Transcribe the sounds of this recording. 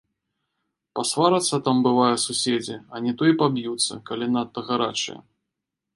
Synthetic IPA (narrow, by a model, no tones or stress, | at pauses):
pasvaɾɐt̪sːɐt̪ambɨvajɐsusʲed͡zʲiɐnʲɛt̪ɔjɛpabjut̪sːɐ̰kalʲinat̪̚pɐɣaɾa̰t͡ʂɨ̰jɛ̰